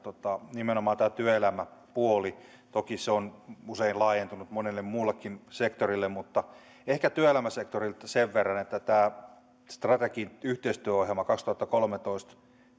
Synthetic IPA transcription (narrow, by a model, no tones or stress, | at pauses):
t̪ot̪ɑnimenomɑːnt̪æːt̪yæelæmæpuoli | t̪okiseonuseinlɑːjent̪unut̪monelːemmuːlːekːinsekt̪orilːemmut̪ːɑ | ehkæt̪yøelæmæsekt̪orilt̪seʋʋerːɑnet̪ːæt̪æː | st̪rɑt̪ekinyht̪eist̪yøohelmɑkɑkst̪uhɑt̪ːɑkolmet̪oist̪